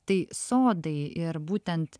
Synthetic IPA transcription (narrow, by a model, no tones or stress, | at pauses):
t̪ɐɪsoːd̪ɐɪɪɾbuːt̪ʲɛnt̪